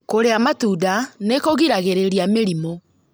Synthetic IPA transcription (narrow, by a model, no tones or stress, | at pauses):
koɾeamatuːdanekoɣiɾaɣeɾeɾiameɾimo